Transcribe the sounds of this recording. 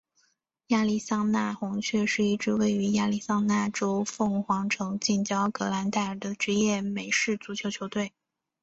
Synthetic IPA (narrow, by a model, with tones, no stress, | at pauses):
ja˥˧li˥˩sɑ˥˧ŋna˥˩xʊ˧˥ŋt͡ɕʰɥɛ˥˧ʂɻ̩˥˧i˥˩ʈ͡ʂɻ̩˥˧we˥˩ɪy˧˥ja˥˧li˥˩sɑ˥ŋna˥˩ʈ͡ʂo˥ʊfɤ˥˩ŋxwɑ˧˥ŋʈ͡ʂʰɤ˧˥ŋt͡ɕi˥˩nt͡ɕjɑ˥ʊkɤ˧˥la˧˥nt̪a˥˩ə˨˩d̪ə˦ʈ͡ʂɻ̩˧˥jɛ˥˩me˨˩ɪʂɻ̩˥˩t͡su˧˥t͡ɕʰjo˧˥ʊt͡ɕʰjo˧˥ʊt̪we˥˩ɪ